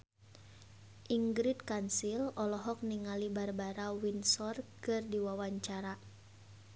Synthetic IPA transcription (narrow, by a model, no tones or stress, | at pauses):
ʔiŋɡɾit̪̚kansilɔlɔɦɔk̚niŋalibarbaɾawinsɔrkɨrdiwawaɲt͡ʃaɾa